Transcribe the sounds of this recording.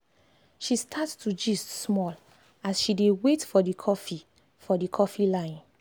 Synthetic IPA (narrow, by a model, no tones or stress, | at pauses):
ʃistʰattud͡ʒissmɔl | asʃidewetfɔdikʰɔfi | fɔdikʰɔfilãɪ̃n